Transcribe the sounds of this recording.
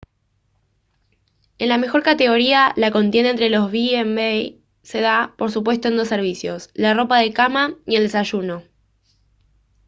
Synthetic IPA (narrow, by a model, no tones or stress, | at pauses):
e̞nlame̞xo̞ɾkat̪e̞ɣ̞o̞ɾialako̞nt̪je̞nent̪ɾe̞lo̞zβiembej | se̞ð̞apo̞ɾs̬up̬we̞st̪oend̪o̞sːe̞ɾβ̞isjo̞slaro̞paðe̞kamajie̞ld̪e̞saʃuno̞